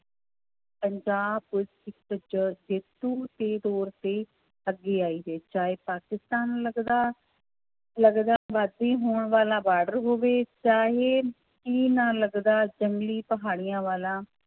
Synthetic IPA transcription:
pəɲd͡ʒaːbkʊd͡ʒɪkd͡ʒəd͡ʒeːt̪uːt̪eːd̪oːɾt̪eː | əɡeːaːiːɦeːt͡ʃaːɦeːpaːkɪst̪aːnləɡd̪aː | ləɡd̪aːʋaːd̪eːɦoːɳʋaːlãːbaːɖəɾɦoːʋeːt͡ʃaːɦeː | kiːnãːləɡd̪aːd͡ʒəŋɡliːpəɦaːɽijãːʋaːlãː

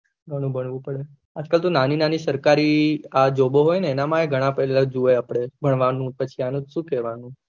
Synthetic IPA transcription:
ɡʱəɽ̃ũbʱəɳʋũpəɽe | ad͡ʒkalt̪onaninanisəɾkaɾiad͡ʒoboɦojneːnamãeɡʱəɽ̃ãpɛlad͡ʒueapɽ̃ebʱəɳʋanũpət͡ʃʰianũʃũkɛʋanũ

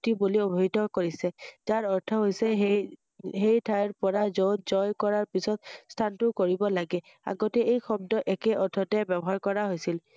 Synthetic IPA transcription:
tibuliobʱitɔkoɹisɛzaɹɔɹtʰɔɦojsɛɦ | ɦejtʰajɹpɔɹazɔzɔjkɔɹaɹpisɔt̚stʰantʊkoɹibɔlaɡɛ | a̰ɡotɛejxɔb̚dɔʔɛkɛʔɔtʰɔtɛbɛbɔɦaɹkɔɹaɦojsil

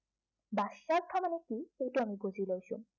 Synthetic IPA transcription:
basak̚tʰamanɛkixejtʊamiɡozilojsʊ̰

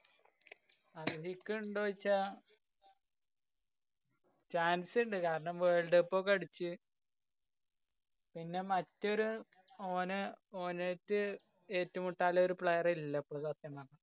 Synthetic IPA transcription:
ɐðɨɦikːɨɳɖoːit͡ɕːa | t͡ɕaːnsɨɳɖɨkaːɾɐɳɐmʋeːɭɖɨpːo̞ːkɐɽit͡ɕːɨ | pinːe̞mɐtːo̞ɾu | oːnɨoːnetːɨ | eːtːumuʈːaːlɐoɾupɭejɐrilːɐpːoːsat̪jɐmaːɳɨ

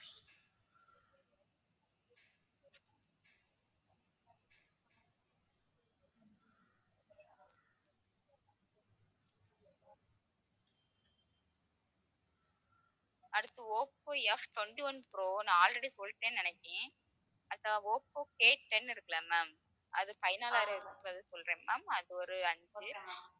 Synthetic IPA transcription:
ɐɽɯt̪ːɯoːpːoɛfʈwɔɳʈiʋɐnpɾoːnãaːlɾɐɽisɔlːʈːẽːnɪnɐkʲːẽː | ɐt̪ːaoːpːoːkeːʈːɛnːɪɾɯkːɐɭamɐm | ʔɐðɯpɐjnaːlaːɾɐɪɾɯkɾɐðɯsɔlːɾẽːmɐ̰ːmɐðɯɔɾɯɐɳd͡ʒɯ

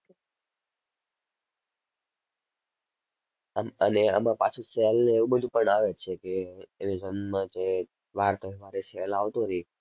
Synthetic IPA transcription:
məneə̰mãpat͡ʃʰusɛəlneeʋũbəd̪ʱupəɳaʋet͡ʃʰekeːmed͡ʒənmãd͡ʒe | ʋaɾt̪oiʋaɾesɛalaʋt̪oɾi

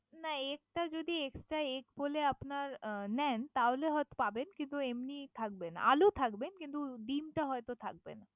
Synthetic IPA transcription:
naek̚ʈad͡ʑod̪ieksʈɾaekboleapnaɾnɛnt̪aɦoleɦɔet̪o̥pabenkint̪uemnit̪ʰak̚bena̰lut̪ʰakbenkint̪uɖimʈaɦɔet̪ot̪ʰa̰k̚bḛna

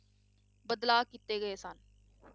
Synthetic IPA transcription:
bəd̪laːkit̪eːɡəeːsən

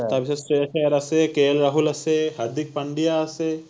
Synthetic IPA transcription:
t̪abisɐsʈeɐʃeɾɐsekeːlɾɐɦulɐseɦɐɾd̪ik̚pɐɳɖijaɐse

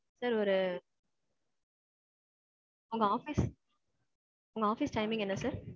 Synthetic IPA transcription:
saːɾɔɾɯ | ʊŋɡɐaːfiːs | ʊŋɡɐaːfiːsʈɐɪmɪ̃ŋɡɛnːɐsaːɾ

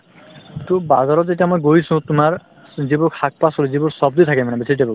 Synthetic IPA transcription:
tubazaɹɔtzetiamɔjɡoisũtʊmaɹ | zibuɹkʰak̚pasoluzibuɹsɔb̚d̪ɔjt̪ʰakɛmanɛbisitebɔɡ

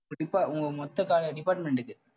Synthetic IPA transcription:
ʊɪpːaːʊŋɡɐmɔt̪ːɐkaːlɐɖɪpaːɾʈmɛɳɖɯkːɯ

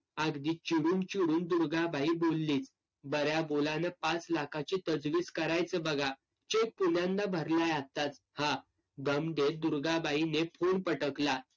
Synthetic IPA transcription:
aɡd̪iːt͡ɕiɽuːnt͡ɕiɽuːnd̪uɾɡabaibolːiːt͡s | bəɾjabolanəpat͡slakʰat͡ɕit̪əd͡zʋiːskəɾajt͡səbəɡʱa | t͡ɕek̚punjãnd̪abʱəɾlajat̪at͡s | hã | ɡ̪əmd̪et̪̚d̪uɾɡabainefoɳpəʈəkla

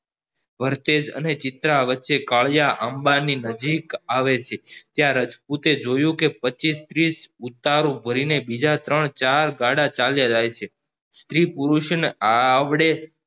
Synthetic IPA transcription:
ʋəɾt̪ed͡ʒə̰net͡ʃɪt̪ɾaʋətːʃekaɭjaʔəmbaninəd͡ʒikaʋet͡ʃʰet̪jãɾət͡ʃput̪ed͡ʒojũkepət͡ʃist̪ɾisut̪ːaɾũbʱəɾinebid͡ʒat̪ɾəɳt͡ʃaɾɡaɽat͡ʃaljad͡ʒajt͡ʃʰe | st̪ɾipuɾuʃənaʋɽe

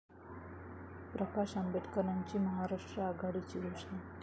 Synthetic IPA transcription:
pɾəkaʃambeʈʰkəɳaɲt͡ɕiməɦaɾaʂʈɾəaɡaɽit͡ɕiɦoʃant̪

